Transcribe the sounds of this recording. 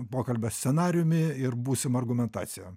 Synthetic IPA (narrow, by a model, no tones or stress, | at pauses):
poːkɐlʲbʲɛsʲsʲɛnɑːɾʲɪjʊmʲɪɪrbuːsʲɪmɐrɡʊmʲɛnt̪ɑ̰ːtsʲɪjɛ